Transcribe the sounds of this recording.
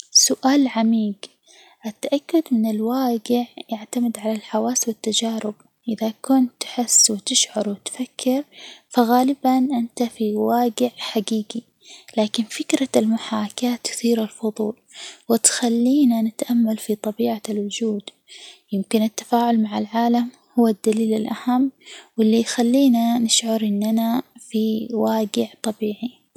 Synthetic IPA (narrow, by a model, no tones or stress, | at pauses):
sʊʔaːlʕamiːɡ | ʔat̪ːaʔakːʊd̪mɪnɪlwaːɡɪʕjaʕt̪amɪd̪ʕalalħawaːswɪt̪ːad͡ʒaːɾɪb̥ | ʔɪðakʊnt̪ːħɪsːwɪt̪ɪʃʕʊɾwɪt̪fakʰːɪɾfaɣaːlɪbanʔɪnt̪afiwaːɡɪʕħaɡiːɡi | laːkɪnfɪkɾalmʊħaːkat̪ːθiːɾalfʊðˤuːlwɪt̪xalːiːnanɪt̪ʔamːalfit̪ˤɑbiːʕalwʊd͡ʒuːd̪ | jɪmkɪnɪt̪ːḁfaːʕʊlmaʕalʕaːlam | hʊwːad̪ːaliːlɪlʔahamːwɪlːijxalːiːnanɪʃʕʊɾˤʔɪnːanafiwaːɡɪʕt̪ˤɑbiːʕi